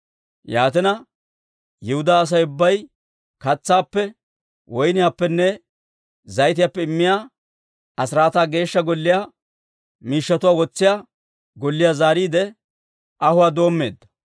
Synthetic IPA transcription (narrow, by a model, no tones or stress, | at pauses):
jaːt̪ɪnɐ | jɪhʊd̪aːs̬ɐjʊbːɐj | kɐt͡sːaːpːɛ | wɔjnɪjaːpːɛnːɛ | zɐjt̪̬ɪjaːpːɛɪmːɪjaː | ɐsɪɾaːt̪aːɡe̞ːʃːɐɡɔlːɪjaː | miːʃːɐt̪ʊwaːwɔt͡sːɪjaː | ɡɔlːɪjaːzaːɾiːd̪ɛ | ʔɐhʊwaːd̪o̞ːmːe̞ːd̪ːɐ̥